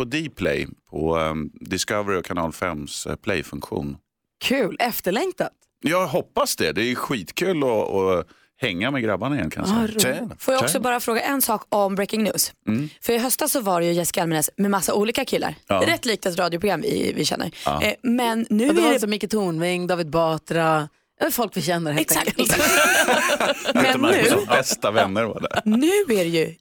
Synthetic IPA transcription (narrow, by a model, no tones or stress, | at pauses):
pɔd̪ɪpʰlɛ̰jpʰɔd̪ɪskavɾɪɔkʰanɑ̰ːlfɛmspʰlɛjfɵŋkɧṵːn | kʰʉːlɛft̪əɭɛŋt̪at̪ | jɑɡɦɔpːasd̪ɛd̪ɛːɧiːt̪kʰʉ̟ːlɔɔ̰ | hɛŋːamɛɡɾabanaɪjɛnkʰa̰nj̰a̰sɛ̰foːjɑɡɔksɔbɑːɾafɾoːɡaʔɛnsɑːkɔmbɾɛjkɪŋnʉ̟ːsfœɾɪɦœst̪asːɔvaɾjɵjɛsɪkalmɛnɛsmɛmasːauːliːkakʰɪlːa̰ɾɾɛt̪ːliːk̚t̪ɛt̪ɾɑːd̪jʊpʰɾʊɡɾamːvɪ̰vɪ̰ɕɛ̰nːə̰ɾ̰mɛnːʉ̟sɔmʏkːət̪ʰuːnvɪŋd̪ɑːvɪd̪̚bɑːt̪ɾa | jaɛfɔlkvɪɕɛnːəɾhɛɛksak̪ | mɛnːʉbɛst̪avɛnːəɾva̰ɖɛ̰nʉ̟ːæɾɛjɵ